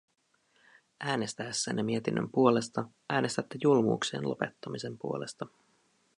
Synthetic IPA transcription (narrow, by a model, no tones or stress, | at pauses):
ʔæːne̞st̪æsːḛnːemiet̪inːø̰mpuo̞le̞st̪ɑʔæːnest̪æt̪ːejulmṵːksḛːnlope̞̰t̪ːɑmise̞mpuo̞le̞st̪ɑ